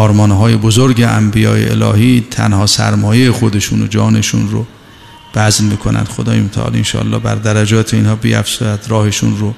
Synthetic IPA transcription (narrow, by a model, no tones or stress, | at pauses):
ɒːɾmɒnɦɒːje̞bozoɾɡeʔæmbijɒ̰ːjḛʔḛlɒ̰ːhiːt̪ʰæ̰nhɒːsæ̰ɾmɒːjejexo̞d̪eʃuːno̰d͡ʒɒːne̞ʃunɾo̰ | b̥æznmikʰonæ̰nd̪xod̪ɒːjemot̪ʰæ̰ʔɒ̰ːlinʃɒ̰ːlːɒ̰ːbæ̰ɾd̪æɾæd͡ʒɒːt̪ʰeinhɒːbiæ̰fsujæd̪ɾɒːhe̞ʃunɾo